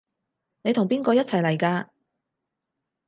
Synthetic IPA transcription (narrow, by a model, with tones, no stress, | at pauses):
ne˨˧t̪ʰʊ˨˩ŋpiː˥nkɔː˧jɐ˥t̚t͡sʰɐ˨˩jlɐ˨˩jkaː˧